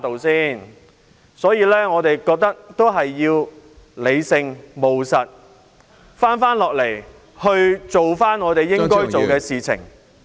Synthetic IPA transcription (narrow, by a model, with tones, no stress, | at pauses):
t̪o˨wsiː˥˩n | sɔː˨˥jiː˨˧lɛː˥ŋɔː˨˧t̪e˨jkɔː˧k̚t̪ɐ˥k̚t̪o˥wɦɐ˨jːiː˧wle˨˧jsɪ˧ŋmo˨wsɐ˨t̚ | faː˥nfaː˥nlɔː˨k̚le˨˩j | hɵ˧ɥt͡so˨wfaː˥nŋɔː˨˧t̪e˨jːɪ˥ŋkɔː˥jt͡so˨wkɛː˧siː˨t͡sʰɪ̰˨˩ŋ